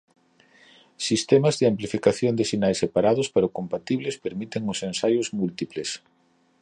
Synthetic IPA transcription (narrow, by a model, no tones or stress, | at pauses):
sist̪ɛmɐzðɪamplifikaθjond̪ɪsinajsepaɾaðʊspaɾʊkompat̪iβlɪspeɾmit̪eŋʊsensajʊzmult̪iples